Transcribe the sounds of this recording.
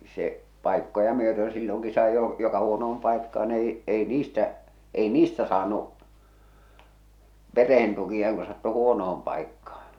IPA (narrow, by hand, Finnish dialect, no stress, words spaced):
se pɑˑikːojɑ myøtø̃ː silːoŋki sɑi jo jokɑ huonoom pɑikːɑːn ei ei niːstæ ei niːstæ sɑːnuʔ pereh̞en tukiɑ ku sɑtːu huonoom pɑikːɑː